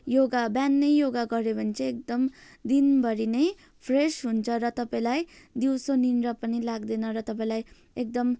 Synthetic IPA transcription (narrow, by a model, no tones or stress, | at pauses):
joɡabjanːʌjjoɡaɡʌɾebʱʌnt͡sʰʌek̚d̪ʌm | d̪inbʌɾinej | pʰresɦunt͡sʰʌɾʌt̪ʌpaĩlaj | d̪iwsoninrʌpʌnilaɡd̪enʌɾʌt̪ʌpaĩlaj | ek̚d̪ʌm